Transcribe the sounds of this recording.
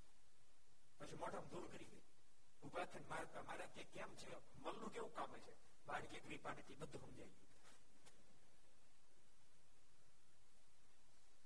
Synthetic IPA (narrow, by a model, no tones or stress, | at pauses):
pət͡ʃʰimɔʈʰəmd̪ʱuɾkəɾiɡ̪əi | ubat̪ʰənmaɾət̪amaɾakekamt͡ʃʰe | məlnũkeʋũkamet͡ʃʰe | baɽkeɡɾipanet̪ʰibəd̪ʱːuɦəmd͡ʒaje